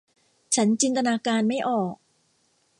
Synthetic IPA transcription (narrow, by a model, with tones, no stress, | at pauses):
t͡ɕʰa˦˥nt͡ɕi˧nt̪a˧naː˧kaː˧nma˥˩jʔɔː˨˩k̚